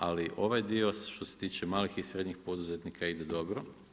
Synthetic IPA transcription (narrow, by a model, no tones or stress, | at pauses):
aliʔo̞ʋajd̪io̞sʃt̪o̞set̪iːt͡ʃemaːlixisɾe̞d̪ɲixpo̞d̪uze̞t̪nikaid̪ed̪o̞bɾo̞